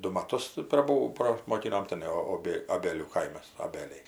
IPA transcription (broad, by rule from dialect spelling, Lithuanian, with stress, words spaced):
ˈdʊ mɐˈtʊs prɐˈbuː prɐsmoːˈkʲɪnoːm tʲɪˈnɐɪ oːˈbʲeː ɐˈbʲeːlʲuː ˈkɐɪmɐs oːˈbʲeːlʲɛɪ